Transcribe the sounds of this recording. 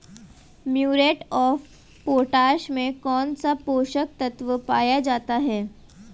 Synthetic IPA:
mjuːɾeːʈɔːf | poːʈaːʃmẽkɔːnsapoːʃək̚t̪ɐt̪ʋəpaːjad͡ʒaːt̪aɦɛː

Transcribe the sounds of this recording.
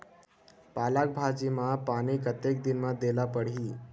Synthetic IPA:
palak̚bʱad͡ʑimapaɽ̃iːkət̪ek̚d̪inmad̪elapəɽɦiː

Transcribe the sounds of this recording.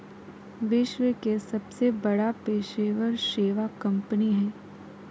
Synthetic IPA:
ʋɪʃʋəkesɐbsebɐɽapeːʃeːʋəɾʃeːʋakɐ̃mpəniɦɛ̃ː

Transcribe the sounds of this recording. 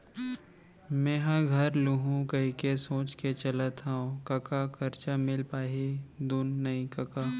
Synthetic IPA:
mɛ̃ːɦaɡʱɐɾluɦũkɐɦikesõːt͡ʃket͡ʃɐlət̪ɦaõkɐkakʰɐɾt͡ʃamɪlpaːɦed̪uːnːɐĩkɐkaː

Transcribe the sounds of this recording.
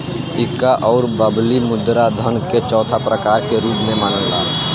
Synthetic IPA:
sɪkʰːaʔɔːɾbəblimʊd̪ɾad̪ʱənket͡ʃɔːt̪ʰapɾəkaːɾkeɾuːpmẽmaːnəlːa̰ː

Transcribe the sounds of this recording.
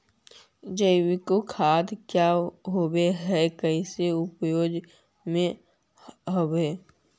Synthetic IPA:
d͡ʒəwikokʰaːd̪kjaɦobeɦɛkəiseʊpjoːd͡ʒ | mẽ | ɦoweː

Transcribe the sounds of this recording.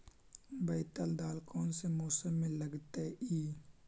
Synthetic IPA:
bəɪt̪əld̪aːlkɔːnsemoːsəmːẽləɡt̪eʔiː

